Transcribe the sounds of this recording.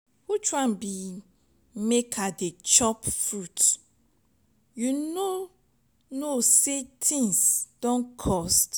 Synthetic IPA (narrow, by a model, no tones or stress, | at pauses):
hutɹãnbi | mekʰadet͡ʃɔpfɹut | juno | nosetʰĩŋsd̥ɔ̃nkʰɔst